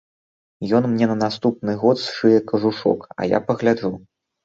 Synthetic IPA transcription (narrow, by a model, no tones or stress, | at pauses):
jɔnmnʲɛnɐnast̪up̚nɨɣɔt̪sʂɨjɛkɐʐuʂɔ̰kɐ̰ja̰pɐɣlʲad͡ʐu